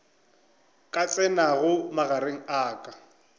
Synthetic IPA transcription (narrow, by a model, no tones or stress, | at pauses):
kʼat͡sʼɛnaɣʊmaɣaɾeŋ̩aːkʼḁ